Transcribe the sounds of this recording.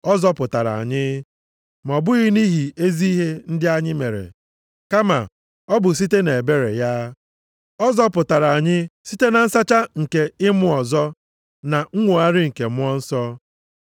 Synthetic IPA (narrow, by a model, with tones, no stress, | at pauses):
ɔ˦zɔ˦pʊ˨ta˨ɾa̰˨a̰˨ɲɪ˦ | m˨ɔ˨bʊ˦ɣɪ˦ni˦ɦi˨e˦zi˦i˦ɦe˦n̩˦dɪ˦a˦ɲɪ˦me˨ɾḛ˨ | ka˦ma̰˨ | ɔ˦bʊ˨s̬i˦te˦ne˨e˨be˦ɾḛ˨ja˦ | ɔ˦zɔ˦pʊ˨ta˨ɾa˨a˨ɲɪ˦si˦te˦na˨n̩˦sa˦t͡ʃa˦ŋ̩˨ke˦ɪ˦mʊ˦ɔ˨zɔ˦ | na˨ŋ̩˦ŋʷo˨a˦ɾɪ˦ŋ̩˨ke˨mʊ˦ɔ˦n̩˦sɔ˦